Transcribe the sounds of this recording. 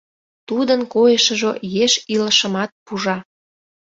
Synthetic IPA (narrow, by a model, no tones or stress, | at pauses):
t̪ud̪ənkojəʃə̆ʒojeʃiləʃə̆mɑt̪̚puʒɑ